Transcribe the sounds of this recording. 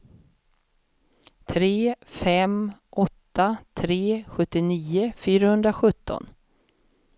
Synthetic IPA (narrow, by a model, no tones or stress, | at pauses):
t̪ʰɾeːfɛmʔɔt̪ːat̪ʰɾeːɧɵt̪ːɪniːʊfyːɾahɵnd̪ɾaɧɵt̪ːɔ̰n